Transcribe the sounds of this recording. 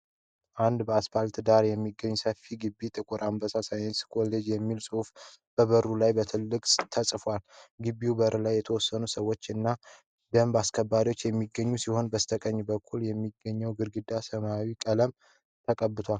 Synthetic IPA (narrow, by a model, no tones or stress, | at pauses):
ʔand̪bəaspalt̪d̪aɾjɛmːiɡːəɲːsəfiɡɨbːit̪ʼɨkʼuɾʔambəsasajnskʰo̞led͡ʒjɛmːilsʼɨhuf | b̥əβəɾulajbət̪ʰɨlːɨkʼt̪ʰəsʼfwalɡɨbːiwbəɾʔlajːɛt̪ʰəwɔsːənusəwːo̞t͡ʃːɨnːa | d̪̥əmbaskʰəbːaɾiwot͡ʃːjɛmːiɡəɲːusiho̞nbəst̪ʰəkʼəɲːbəkʰːuljɛmːiɡəɲːəwɡɨɾɡɨd̪asəmawikʼələm | t̪ʰəkʼəbːɨt̪ʰwal